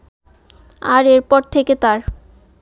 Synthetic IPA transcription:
aɾeɾpɔɾt̪ʰeket̪aɾ

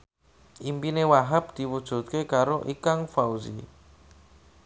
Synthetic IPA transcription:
ʔimpinewaɦap̚d̪̥iwud̥ʒ̥ṳt̪̚kekaɾoʔikaŋfauzḭ

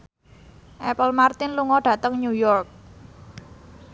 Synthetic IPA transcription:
ʔɛpəlmart̪ɪnluŋɔɖ̥ä̤t̪əŋɲujɔrk̚

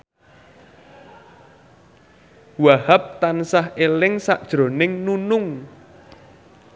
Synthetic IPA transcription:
wahap̚t̪ansahelɪŋsaʔd̥ʒ̥ɾo̤nɪŋnunʊŋ

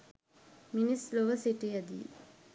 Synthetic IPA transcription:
minisloʋəsiʈijəd̪ḭ

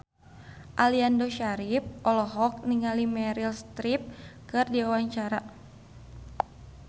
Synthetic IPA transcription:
ʔaliandoʃaɾip̚ʔɔlɔɦɔk̚niŋalimɛɾilst̪ɾip̚kɨrdiawaɲt͡ʃaɾa

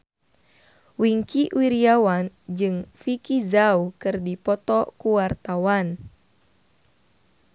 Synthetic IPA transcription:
wiŋkiwiɾiawand͡ʒɨŋfikizaukɨrdipɔt̪ɔkuwart̪awan

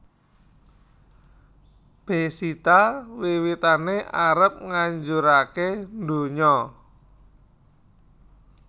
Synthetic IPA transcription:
b̥e̤sit̪awiwit̪aneʔaɾəp̚ŋaɲd͡ʒuɾakend̪o̤ɲɔ

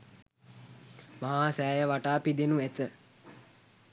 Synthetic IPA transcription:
maɦaːsæːjəʋaʈaːpid̪enuet̪ə

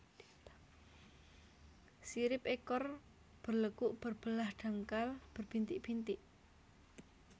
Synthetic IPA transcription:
siɾɪpekɔr | b̥ərləkuʔb̥ərb̥əlahɖ̥a̤ŋkalb̥ərb̥int̪ɪʔb̥int̪ɪʔ

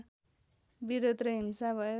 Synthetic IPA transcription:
biɾod̪rʌɦimsabʱʌjo

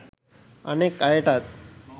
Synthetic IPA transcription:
ənekajeʈat̪̚

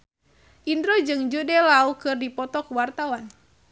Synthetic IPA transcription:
ʔindɾɔd͡ʒɨŋd͡ʒudɛlaukɨrdipɔt̪ɔkuwart̪awan

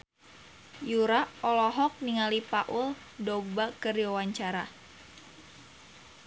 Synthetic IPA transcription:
juɾaɔlɔɦɔk̚niŋalipaʔul | dɔɡ̚bakəriwawaɲt͡ʃaɾa

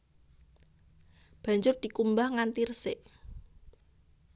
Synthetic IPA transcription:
b̥a̤ɲd͡ʒʊrd̪̥i̤kumbahŋant̪irsɪʔ

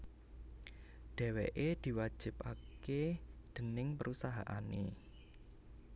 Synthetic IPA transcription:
ɖ̥ɛ̤weʔed̪̥i̤wḁʒ̥ɪ̤paked̪̥ə̤nɪŋpəɾʔusaɦaʔanḛ

